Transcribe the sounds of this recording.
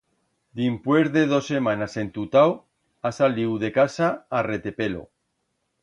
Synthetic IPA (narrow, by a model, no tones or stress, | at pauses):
d̪impwezðeðo̞sːe̞mãnase̞nt̪ut̪aw | asaliwðe̞kasaːret̪epe̞lo̰